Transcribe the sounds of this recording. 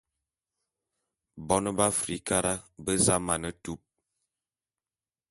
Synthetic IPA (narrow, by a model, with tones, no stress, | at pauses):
bɔ˦nə˦ba˦fɾi˨˦ka˦ɾa˦bə˦za˦ma˨nə˦tu˦p̚